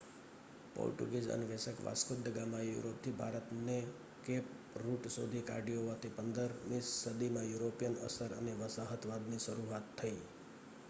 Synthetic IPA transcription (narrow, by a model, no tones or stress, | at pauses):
po̰ɾʈṵɡezə̰neʋesəkʋa̰skʊd̪əɡamãjṵɾop̚t̪ʰibʱa̰ɾət̪ne | kep | ɾuʈso̰d̪ʱika̰ɾɖijoʋat̪ʰipənd̪əɾnissəd̪imãjuɾopijənə̰səɾə̰neʋəsaɦət̪ʰʋad̪niʃəɾuat̪ʰːəi